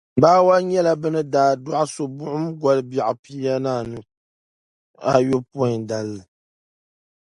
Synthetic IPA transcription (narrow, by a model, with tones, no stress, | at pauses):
baː˦wa˦ɲɛ˦la˨bɨ˦nɨ˦daː˨da˦ʔso˨bʊ˦ʔʊ˦m˦ɡɔ˨lɨ˦ba˨ʔpi˦a˦naː˦˨nɨ˦ | a̰˦jo˦pːda˨lːɨ˨